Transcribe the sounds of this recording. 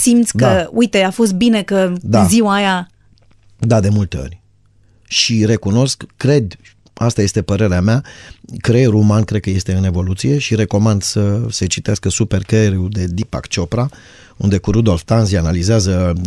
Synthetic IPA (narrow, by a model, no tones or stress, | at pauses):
simt̪sʲdk̪aəujt̪e̞afo̞s̬t̪̚binekəd̪aziwaja | d̪ad̪e̞mult̪e̞o̞̰rʲ | ʃire̞kuno̞skkːɾe̞d̪ | ast̪aje̞st̪e̞pəɾe̞ɾeameakɾeɾumankɾe̞d̪̚kəje̞st̪e̞ɨne̞vo̞lut̪sije̞ʃiɾe̞ko̞mand̪səset͡ʃit̪easkəsupe̞rkeɾiud̪e̞d̪ipa̰kt͡ʃo̞pɾa | ṵnd̪e̞kuɾud̪o̞lft̪anzianalizeazə